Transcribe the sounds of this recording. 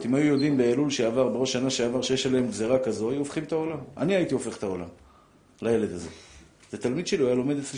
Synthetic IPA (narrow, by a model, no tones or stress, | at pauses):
t̪imajujo̞d̪imbealulʃeavaʁbeʁo̞ʃanaʃeavaʁʃejeʃaleemɡze̞ʁakazo̞ajuofχimt̪ao̞lama̰niait̪io̞fe̞χt̪ao̞la̰m | laje̞le̞d̪aze̞̰ | t̪at̪almid̪ʃeliajalo̞me̞d̪et͡sli